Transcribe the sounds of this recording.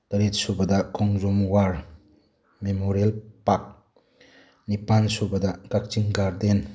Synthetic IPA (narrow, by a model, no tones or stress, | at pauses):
tɐɾit̚subɐdɐkɔŋzumwaɾ | memoɾelpak̚ | nipansubɐdakak̚t͡ʃiŋɡaɾden